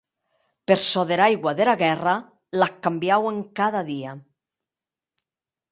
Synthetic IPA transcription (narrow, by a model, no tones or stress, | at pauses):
peɾsɔðeɾajɣwaðeɾaɣɛra | lakːambjaweŋkaðaðia